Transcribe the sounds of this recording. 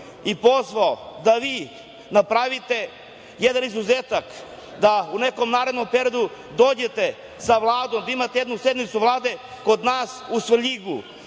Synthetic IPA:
ipo̞zʋaod̪aʋiː | napɾaʋit̪e | jed̪anizuzeːt̪ak | d̪aune̞ko̞mnaːɾed̪nompeɾijod̪u | d̪oːd͡ʑe̞t̪e | saʋlˠaːd̪omd̪aimat̪ejed̪nusje̞d̪nit̪suʋlˠaːd̪e | ko̞d̪naːsusʋʎiɡṵ

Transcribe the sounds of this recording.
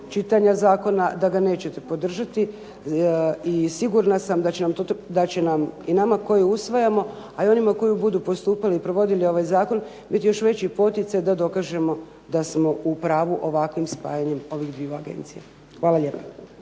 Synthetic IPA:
t͡ʃit̪aɲazaːko̞nad̪aɡane̞ːt͡ɕe̞t̪epo̞d̪r̩ʒat̪i | isiɡuɾnasamd̪at͡ɕenamt̪od̪at͡ɕe̞naminamako̞jiusʋajamo̞ | aio̞nimako̞jubud̪uːpo̞st̪uːpaliːpɾo̞ʋo̞d̪ilio̞ʋaːjzaːko̞n | bit̪ijo̞ʃʋe̞t͡ɕipo̞t̪it̪sajd̪ad̪o̞kaːʒe̞mo̞ | d̪asmo̞ʔupɾaːʋuʔo̞ʋakʋimspa̰ːjaɲe̞mo̞ʋixd̪ʋiuaɡḛnt̪sija | xʋaːlaʎe̞ːpa

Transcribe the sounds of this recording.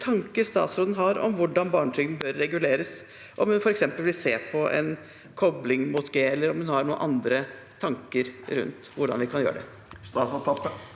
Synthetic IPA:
t̪ʰɑŋkəst̪ɑ̰ːt̪sɾoːd̪ənɦɑɾɔ̰mʋʊɖɑnbɑːɳəʈʰɾʏɡ̪d̪n̩bøɾːɛɡʉleːɾəs | ʔɔmhʉnfɔɾɛksɛmpəlʋɪlseːpʰɔʔɛ̰n | kʰɔblɪŋmut̪ɡeɛlːəɾɔmhʉnhɑɾɳuːənʔɑnd̪ɾə | t̪ʰɑŋkəɾɾʉ̰nt̪ʋʊɖɑ̰nʋɪkʰɑnjø̰ːɾə̰ɖɛ̰ | st̪ɑsɑt̪ʰɑt̪ə

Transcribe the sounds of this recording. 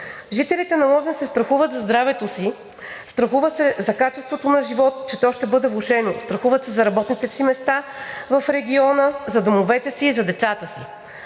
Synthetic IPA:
ʒit̪ɛlit̪ɛnɐlˠɔzɛnsɛst̪ɾɐxuvət̪zɐzd̪ɾavɛt̪osi | st̪ɾɐxuvəsɛzɐkat͡ʃɛst̪vot̪onɐʒivɔt̪t͡ʃɛt̪ɔʃt̪ɛbɤd̪ɛvlˠuʃɛnost̪ɾɐxuvət̪sɛzɐɾɐbɔt̪nit̪ɛsimɛst̪avɐfɾɛɡʲiɔnəzɐd̪omovɛt̪ɛsiːzɐd̪ɛt̪sat̪əsḭ

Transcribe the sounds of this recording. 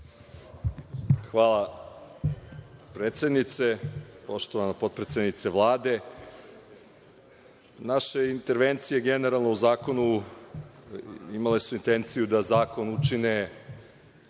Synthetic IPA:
xʋaːlˠa | pɾeːt̪sʲed̪nit̪se̞po̞ʃt̪o̞ʋanapo̞t̪̚pɾet̪sʲed̪nit̪se̞ʋlˠaːd̪e̞ | naʃeint̪e̞ɾʋe̞nt̪sijeɡe̞ne̞ɾalˠnouzaːko̞nu | imalesuint̪e̞nt̪sijud̪azaːko̞nut͡ʃine

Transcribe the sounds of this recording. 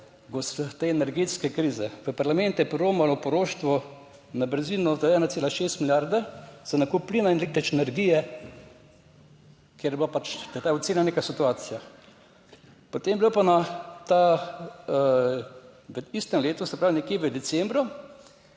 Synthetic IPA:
ɡost̪eɛnɛɾɡeːt̪skɛkɾiːzɛʋəpaɾlamɛ̃nt̪jɛpɾoːmalɔpɔɾoʃt̪ʋɔ | nabəɾziːnɔzaɛːnat̪seːlaʃeːst̪miljaɾd̪az̥anakuplinaɛnlek̚t̪ɛt͡ʃɛnɛɾɡijɛ | keɾblapat͡ʃt̪ɛt̪aːɔt̪seːnlaneːkasit̪uaːt̪sija | pot̪emblopanat̪a | ʋəist̪ɛmleːt̪ɔsɛpɾaːʋinɛkjeʋəd̪ɛt͡ssɛmbɾɔ

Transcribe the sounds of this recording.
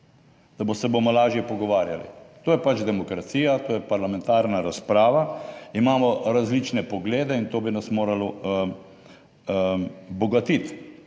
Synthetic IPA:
d̪̥abosɛbomɔlaːʒjɛpɔɡɔʋaːɾja̰lḭt̪oːjɛpat͡ʃd̪ɛmɔkɾat̪siːjat̪oːjɛpaɾlamɛ̃nt̪aːɾnaɾaspɾaːʋaimaːmɔɾazlit͡ʃnɛpɔɡleːd̪ɛint̪oːbinasmoːɾalɔ | bɔɡat̪it̪

